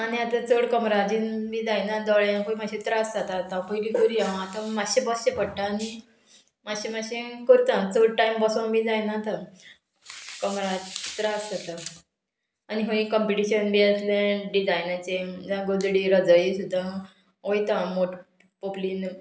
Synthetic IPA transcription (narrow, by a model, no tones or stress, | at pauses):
aniat̪ãt͡soɽkɔmɾad͡ʑinmid͡zajnad̪ɔɭaãkoimaɕit̪ɾasd͡zat̪aːt̪ãpəjlikoɾiaat̪ãmaɕebɔsɕepəɽʈaːni | maɕemaɕẽkoɾt̪ãt͡soɽʈajmbəsonmid͡zajnat̪a | kɔmɾad͡ʑt̪ɾaskət̪a | aniɦoĩkɔmpiʈiɕənbiəslẽɖid͡zajnət͡ɕed͡zãɡod̪ɽiɾəd͡zəjsud̪ʱːa | ɦojt̪ãmoʈ | poplin